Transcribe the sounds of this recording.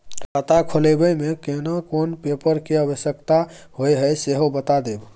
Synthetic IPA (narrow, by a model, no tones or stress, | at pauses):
kət̪akʰolebəjmekenakonpepəɾkeəbəsjəkt̪ahojɦəjseɦobət̪ad̪eb